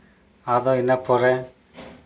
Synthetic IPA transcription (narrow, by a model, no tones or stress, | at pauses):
ad̪ɔinapɔɾɛ